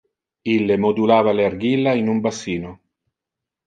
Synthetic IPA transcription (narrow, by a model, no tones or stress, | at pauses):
ilːemod̪ulaːvalearɡilːainumbasiːno